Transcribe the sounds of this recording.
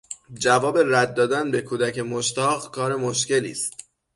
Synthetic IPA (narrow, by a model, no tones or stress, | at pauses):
d͡ʒævɒːbe̞ræd̪̚ːɒːd̪ænbe̞kʰuːd̪æce̞moʃt̪ɒːɣkʰɒːɾe̞moʃce̞lḭːst̪̚